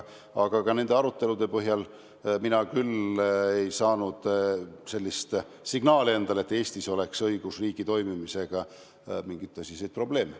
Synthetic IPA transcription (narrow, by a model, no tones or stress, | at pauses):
ɑɡ̥ɑkɑne̞nd̪e̞ɑɾut̪ːe̞lud̪̥e̞pɤɦjɑl | minɑkyle̞jsɑːnud̪̥se̞lʲːist̪ | siɡnɑːlie̞nd̪̥ɑle̞t̪ːe̞ːsʲt̪iso̞le̞ksɤiɡ̥usriːɡ̥it̪o̞jmimise̞ɡ̥ɑ | miŋɡ̥it̪ːˑɑsisejd̪̚pro̞b̥le̞ːme